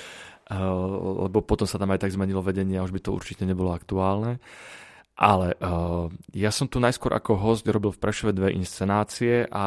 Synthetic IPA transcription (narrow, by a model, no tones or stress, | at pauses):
lɛ̰bɔpɔt̪ɔmsat̪amajt̪aɡzmɛɲilɔʋɛɟɛɲɪɛauʒbit̪ɔṵɾt͡ʃicɛɲɛbɔlɔakt̪uaːlnɛ | ʔalɛʔ | jasɔmt̪unajskʊɔɾʔa̰kɔɦɔscɾɔbilfpɾʔɛʃɔʋɛd̪ʋɛʔḭnst͡sɛnaːt͡siɛʔa